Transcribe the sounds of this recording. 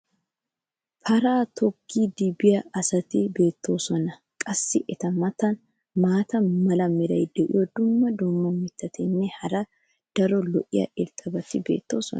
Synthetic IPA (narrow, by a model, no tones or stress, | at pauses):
pɐɾaːt̪ʰɔkʰːiːd̪ɪbɪjɐɐsɐt̪ɪbeːt̪ːo̞ːsɔnɐ | kʼɐsːɪʔɛt̪ɐmɐt̪ɐn | maːt̪ɐnmɐlɐmːɪɾɐjd̪ɛʔɪ̰jɔd̪ʊmːɐd̪ʊmːɔmɪt̪ːɐt̪ɛnːɛhɐɾɐ | d̪̥ɐɾɔlɔʔɪjɐ̰ʔɛlt̪ʼɐbɐt̪ɪbe̞̰ːt̪ːo̞̰ːsɔ̰n